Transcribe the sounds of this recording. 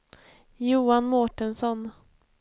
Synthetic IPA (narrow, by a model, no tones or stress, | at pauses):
juːanmoːʈənsɔn